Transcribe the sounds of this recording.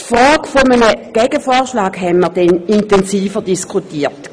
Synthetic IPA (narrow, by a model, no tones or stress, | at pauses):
fɔlɡ̥fomənəɡ̥ɛɡ̥əfɔːɐʃlaːɡɦɛnməɐd̥ɛnintɛnsiːfədiskʰutiːt